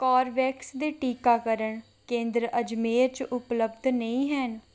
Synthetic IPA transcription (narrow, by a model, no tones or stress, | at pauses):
kɔːɾʋɛːksd̪eːʈiːkaːkəɾəɳ | kẽːnd̪ɾəd͡ʒmeːɾt͡ʃʔʊpləbd̪nəĩːɦɛːn